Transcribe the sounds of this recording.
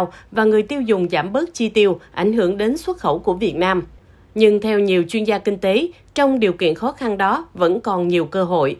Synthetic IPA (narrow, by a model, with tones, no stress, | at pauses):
wvaː˨˩ŋɨ˨˩əjt̪i˧əwzʊ˨˩ŋ͡mzaː˧˩mɓəː˦˥k̚t͡ɕi˧t̪i˧əwʔa̰˧˩ŋ̟ɦɨ˧˩əŋɗe˨˦nswə˦˥t̚xə˧˩wku˧˩əvi˨˩ət̚naː˧m | ɲɨ˧ŋt̪ʰɛ˧wɲi˨˩əwt͡ɕwi˧ənzaː˧kï˧ŋ̟t̪e˨˦ | t͡ɕɔ˧wŋ͡mɗi˨˩əwkḭ˧˨ənxɔ˨˦xa˧nɗɔ˨˦və̰˧˥nkɔ˨˩nɲi˨˩əwkəː˧ɦo̰˧˨jʔ